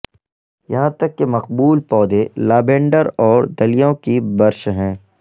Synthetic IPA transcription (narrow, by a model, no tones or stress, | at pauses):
jɐɦãt̪ɐkːemɐqbuːlpɔːd̪elaːbẽːɳɖəɾɔːɾd̪ɐlijõkibɐɾʃɦɛ̃ː